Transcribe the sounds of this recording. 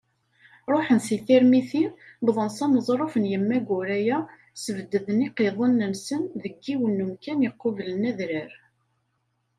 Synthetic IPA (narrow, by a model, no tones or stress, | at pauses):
ɾˤoħənsiθiɾmiθibðˤənsæməzˤɾˤofənjəmːæɡʊɾæjæ | səvəd̪ːəðəniqeðˤənːəmsənðəɡːiwənːəmkænəqːʊvlənæðɾəɾ